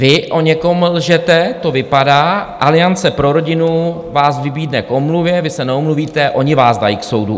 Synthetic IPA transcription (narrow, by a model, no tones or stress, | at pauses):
vɪʔo̞ɲɛko̞mlʒɛt̪ɛt̪o̞vɪpadaːʔalɪjant͡sɛpɾo̞ɾo̞ɟɪnu | vaːsvɪbiːdnɛko̞mluvjɛvɪsɛnɛomluviːt̪ɛʔo̞ɲɪvaːzda̰jiːkso̞wdṵ